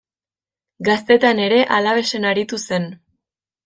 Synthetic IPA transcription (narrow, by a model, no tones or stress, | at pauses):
ɡast̪e̞t̪ane̞ɾe̞ʔalaβ̞e̞se̞naɾit̪use̞n